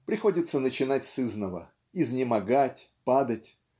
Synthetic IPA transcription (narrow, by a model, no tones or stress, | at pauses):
pɾʲɪxo̞dʲɪt̪sənət͡ɕɪnatʲsɨznəvə̰ | ɪznʲɪmɐɡatʲ | pad̪ətʲ